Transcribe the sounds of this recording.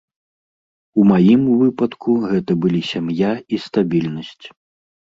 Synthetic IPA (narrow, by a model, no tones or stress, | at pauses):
umajimvɨpɐt̪kʰuɣɛt̪ɐbɨlʲisʲamjaist̪abʲilʲnɐsʲt͡sʲ